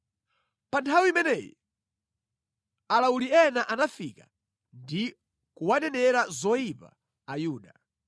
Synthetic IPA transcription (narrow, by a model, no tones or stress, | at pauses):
pantʰawiimɛnɛːjɔ | alauliɛnaʔanafika | ndi | kuwanɛnɛɾazɔipa̰ː | juːɗa